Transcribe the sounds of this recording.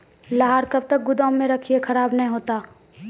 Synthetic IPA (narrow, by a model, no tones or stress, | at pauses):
laɦaɾkɐb̚t̪ɐk̚ɡʊd̪aːmːẽɾɐkʰiekʰɐɾaːbnɐɦĩɦoːt̪aː